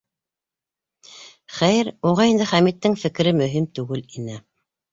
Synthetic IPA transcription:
χæjɘɾuʁɑind̪ɘχæmit̪ːɘŋfɘ̆kɘ̆ɾɘmɵ̆ɦimt̪ʉɡɘlinɘ

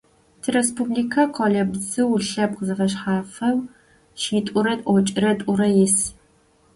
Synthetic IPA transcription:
tʰɨrespubliːkʰɐqʰʷɔɮɐbzɨwɬɐp̚qəzɨfɐɕ̬ħaːfɐw | ʃiːtʷʼʊɾɐtʼʔʷɔt͡ʃʼɪɾɐtʷʼʊɾɐjɪs

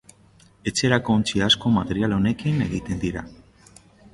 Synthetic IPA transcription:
e̞t͡se̞ɾako̞ːnt͡ʃiasko̞mat̪e̞ɾialo̞ne̞kine̞ɣit̪e̞nd̪iɾa̰

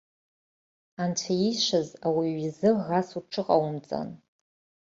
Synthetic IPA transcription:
ant͡ɕʷʰaiʃʷazawiɥizɨʁasuʈ͡ʂʰɨqʼawmt͡sʼa̰n

